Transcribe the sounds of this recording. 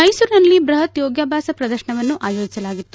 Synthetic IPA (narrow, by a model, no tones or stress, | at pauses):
mɐjsuɾnɐlːibɾɐɦɐt̪joːɡjaːbʱaːsɐpɾɐd̪ɐɾʃɐɳɐʋɐnːuʔaːjoːd͡ʒisɐlaːɡit̪ːu